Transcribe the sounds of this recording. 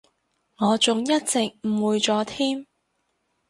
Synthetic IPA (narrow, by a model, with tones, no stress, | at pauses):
ŋɔː˨˧t͡sʊ˨ŋjɐ˥t̚t͡sɪ˨k̚m̩˨˩wuː˨˧jt͡sɔː˧t̪ʰiː˥m